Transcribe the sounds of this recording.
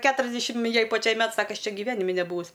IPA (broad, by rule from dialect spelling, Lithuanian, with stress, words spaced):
ˈkʲæːtʊrʲɛzʲdʲɛʃʲɪm ˈjɛɪ pɐˈt͡ʃʲɛɪ ˈmʲɛt ˈsɑːkɐ ˈɐʃ ˈt͡ʃʲɛ ɡʲɪˈʋʲæːnʲɪmʲɪ nʲɛˈbuːʋʊs